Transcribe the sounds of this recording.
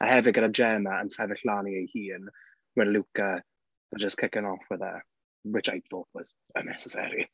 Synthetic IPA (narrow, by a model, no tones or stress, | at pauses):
ʔa̰hɛvɪɡəɾad͡ʒɛməənsɛvɪɬlaniəjhiːən | wɛnlˠukə | ad͡ʒəskʰɪkənɔfwɛðə̰ | wɪt͡ʃajpθoːtʰwɔz̥ | ə̰nɛ̰sɛsɛ̰ɾi